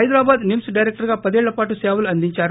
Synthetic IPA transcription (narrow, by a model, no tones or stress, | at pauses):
ɐjd̪ɾaːbaːd̪nimsɖɐjɾek̚ʈɐɾɡaːpɐd̪ieːɭːɐpaːʈuseːʋɐluɐnd̪iɲt͡ʃaːɾ